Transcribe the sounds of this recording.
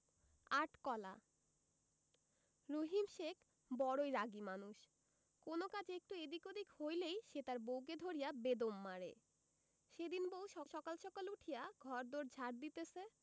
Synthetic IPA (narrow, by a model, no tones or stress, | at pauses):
aʈkɔla̰ | ɾoɦimʃek | bɔɾojɾaɡimanuʃ | konokad͡ʑek̚ʈued̪ikod̪ikhojlejʃet̪aɾbowk̬ed̪ʱoɾijabed̪omːaɾḛ | ʃed̪inbowʃɔʃɔkalʃɔkaluʈʰijaɡʱɔɾd̪oɾd͡ʑʱaɾ̚d̪it̪et͡ɕʰe